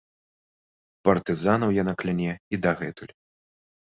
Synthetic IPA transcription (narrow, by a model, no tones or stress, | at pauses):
pɐrt̪ɨzanɐwjanaklʲanʲɛid̪ɐɣɛt̪ulʲ